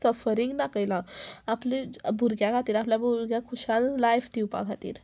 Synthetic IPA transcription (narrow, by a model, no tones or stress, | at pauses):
səfəɾiŋɡd̪akəjlãaplibʱuɾɡjãkʰat̪iːɾapljabuɾɡjakʰuɕallajft̪iwpa̰kʰat̪ḭːɾ